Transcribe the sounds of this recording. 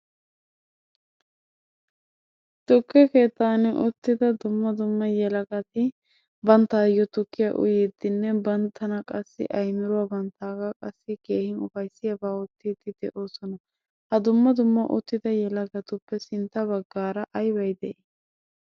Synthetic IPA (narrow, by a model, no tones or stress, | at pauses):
t̪ʊkːɛke̞ːt̪ːaːnɛʔʊt̪ːɪd̪ɐd̪ʊmːɐd̪ʊmːɐjɛlɐɡɐt̪ɪ | bɐnt̪ːaːjːɔt̪ʊkːɪjaʔʊ̰jed̪ɪnːɛbɐnt̪ʰːɐnɐkʼɐsːɪ̰ʔɐjmɪɾʊwaːbɐnt̪aːɡɐkʼɐsːɪke̞ːhɪnʊfɐjsːɪjɐbaːɔt̪ːiːd̪ɪd̪ɛʔo̞ːsɔnɐ | hɐd̪ʊmːɐd̪ʊmːɐʔʊ̰t̪ːɪd̪ɐjɛlɐɡɐt̪ʊpːɛsɪnt̪ːɐbɐɡːaːɾɐʔɐjbɐjd̪ɛʔɪ